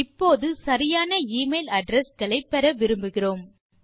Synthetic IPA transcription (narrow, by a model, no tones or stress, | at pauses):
ɪpːoːðɯsɐɾɪjaːnɐiːmeɪlɐɖɾɛskɐɭɐɪpːɛɾɐʋɪɾɯmbɯɣɪroːm